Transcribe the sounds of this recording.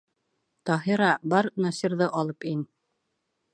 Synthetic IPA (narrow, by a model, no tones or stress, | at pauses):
t̪ɑɦiɾɑbɑɾnɑsiɾðɤʔɑlˠɤpin